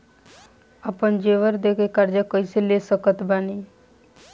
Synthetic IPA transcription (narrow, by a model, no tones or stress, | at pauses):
əpənd͡ʒeːʋəɾd̪eːkekəɾd͡ʒakoiseleːsəkət̪baːniː